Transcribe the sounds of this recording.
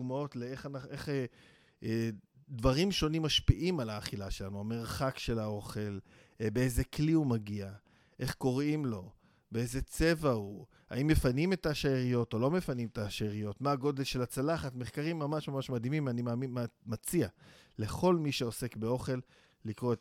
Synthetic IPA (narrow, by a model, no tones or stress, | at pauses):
mao̞tleeχanaeχ | dvaʁimʃo̞nimːaʃpiʔimalaːχilaʃe̞lanuame̞ʁχakʃe̞lao̞χe̞l | beeze̞kliumaɡia | ʔe̞χko̞ʁimlo̞ | beejzet͡se̞vau | ha̰imːe̞fanime̞taʃaeʁijo̞to̞lo̞me̞fanimetaʃeʁijo̞tmaːɡo̞d̪e̞lʃe̞lat͡salaχatmeχkaʁimːamaʃmamaʃmadimimanimamimat͡siale̞χo̞lmiʃeo̞se̞kbe̞o̞χe̞lː | ikʁoe